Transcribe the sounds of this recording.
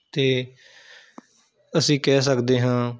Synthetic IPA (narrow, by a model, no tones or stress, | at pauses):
t̪eː | əsĩːkɛːsəkd̪eːɦãː